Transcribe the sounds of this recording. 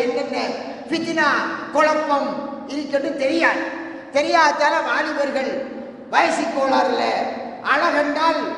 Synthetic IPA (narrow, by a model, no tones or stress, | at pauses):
ɛnːɐnːɐ | fɪt̪ɪnaːkɔɻɐmbɐm | ɪnt̪ːɐnːɯt̪ɛɾɪjaːn | t̪ɛɾɪjaːɐt̪ːaːlɐmaːɭɪʋɐɾɣɐɭ | ʋɐjɐsɪkːoːɭaːɾɪlɐʔɐɭɐɣɐnɖaːl